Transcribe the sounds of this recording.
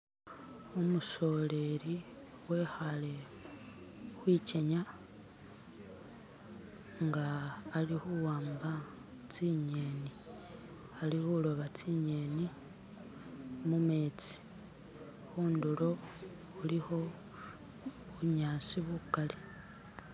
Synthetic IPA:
umuso̞le̞ɾi | we̞xale̞ | xwiːt͡ʃeɲa | ŋɡaːlixuwaːmba | t͡siɲe̞ni | alixulo̞βat͡siɲe̞ni | mume̞ːt͡si̥ | xuːndulo̞ | ulixo̞ | βuɲaːsiβukale

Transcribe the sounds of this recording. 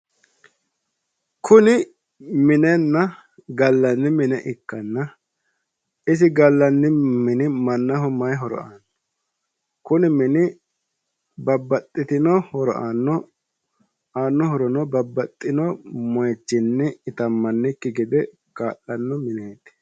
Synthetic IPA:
kʰʊnɪ | mɪnɛnːɐ | ɡɐlːɐnːɪmɪnɛʔɪkːɐnːɐ | ɪs̬ɪɡɐlːɐnːɪmɪnɪmɐnːɐɦɔmɐjɦɔɾɔ̰anːɔ | kʊnɪmɪnɪ | bɐbːɐt̪ʼːɪt̪ɪnɔhɔɾɔ̰ʔanːɔ | aːnːɔhɔɾɔnɔbɐbːɐt̪ʼːɪnɔmɔjt͡ʃːɪnːɛɪt̪ɐmːɐnːɪkːɪɡɛd̪ɛ | kaːlːɐnːɔmɪneːt̪ɪ̥

